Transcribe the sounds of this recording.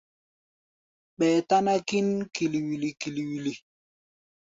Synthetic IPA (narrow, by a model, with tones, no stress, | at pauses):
ɓɛː˨ta˦na˦ki˦nki˨li˨wi˨li˨ki˨li˨wi˨li˨